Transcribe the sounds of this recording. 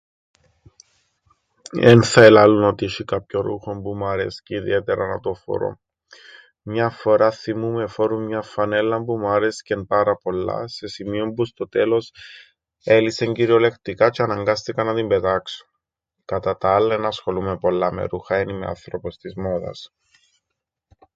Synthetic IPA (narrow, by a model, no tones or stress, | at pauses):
enθɐelɐlunot̪iiʃikɐpçoɾṵxo̞mbumɐɾe̞̰sceiðḭe̞t̪eɾɐnɐt̪o̞fo̰ɾo̰ | mɲɐfo̞ɾɐθimumefoɾummɲɐfɐne̞lːɐmbumɐɾescenpɐɾɐpo̞lːɐ̰se̞simio̞mpust̪o̞t̪e̞lo̞s | eliseɲɟiɾio̞le̞kt̪ikɐt͡ʃeɐnɐŋɡɐst̪ikɐnːɐt̪imbe̞t̪ɐksu̥n | kɐt̪ɐt̪ɐɐlːɐenɐsxo̞lumepo̞lːɐmḛɾuxɐenimeɐ̰nθɾo̞po̞st̪izmoðɐ̰s